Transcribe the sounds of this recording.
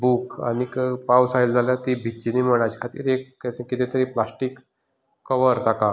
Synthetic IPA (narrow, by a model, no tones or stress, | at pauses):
buːka̰ñikəpawsajld͡zʱaljat̪ibʱit͡ɕiniməɽ̃at͡ɕkʰat̪ḭːɾekːekit̪ẽt̪əɾiːplasʈikː | əʋəɾt̪aka